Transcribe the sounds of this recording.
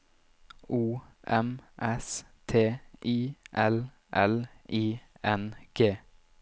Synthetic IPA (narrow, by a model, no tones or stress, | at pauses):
uːʔɛmʔɛs | t̪ʰeːʔiːʔɛl | ʔɛlʔiːɛnɡ̥eː